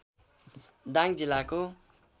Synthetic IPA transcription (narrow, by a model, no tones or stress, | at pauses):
d̪ãŋd͡zilːako